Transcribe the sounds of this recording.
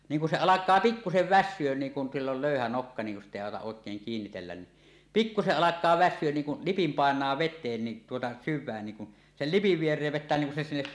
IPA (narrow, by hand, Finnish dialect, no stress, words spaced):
niːŋ kun se ɑlɑkˑɑː pikːuseʋ ʋæsːyøn niːŋ kun silː ol løˑyhæ nokːɑ niːŋ kun sitˑ eˑi ɑˑotɑʔ ʔoˑekˑeːŋ kiːnːitelːæn ni pikːuseʔ ʔɑlɑkˑɑː ʋæsːyøn niːŋ kun lipim pɑˑenˑɑː ʋetˑeːn ni tuotɑ syʋˑæːn niŋ kun sel lipiʋ ʋierˑeːʋ ʋetˑæ niːŋ kun se sinːep